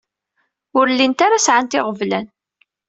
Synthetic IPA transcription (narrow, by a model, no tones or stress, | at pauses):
ʊɾlːint̪aɾasʕant̪ɪʁəvlæn